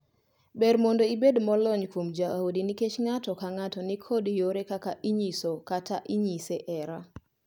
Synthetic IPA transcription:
bɛɾmondoibedmɔlɔɲkomd͡ʒaʔaodiniket͡ʃŋatɔkaŋatɔnikʰɔdjoɾekakaʔiɲisokataʔiɲiseʔɛɾa

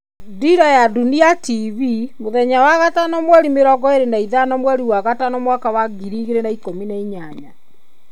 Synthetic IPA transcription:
diɾajaduniatiβimoðɛɲawaɣatanɔmwɛɾimeɾɔɡɔeɾenaiðanɔmwɛɾiwaɣatanɔmwakawaɡiɾiːɣeɾenaikominaiɲaɲa

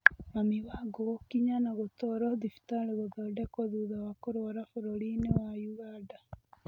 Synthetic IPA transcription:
mamiβaɡookiɲanaɣot̪ɔɾɔðifi̥t̪aleɣoðɔdekoðuðawakoɾoɾafoɾolinewajuɣada

